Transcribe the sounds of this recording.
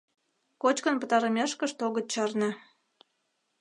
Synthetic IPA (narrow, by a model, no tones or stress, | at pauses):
kot͡ɕkə̆npə̆t̪ɑɾəmʲeʃkə̆ʃt̪oɣə̆t̪̚t͡ɕɑrnĕ